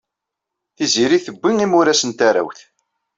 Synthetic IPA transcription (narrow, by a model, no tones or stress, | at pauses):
θiziɾiθəbʷːiŋimʊɾæsənt̪aɾæ̰wθ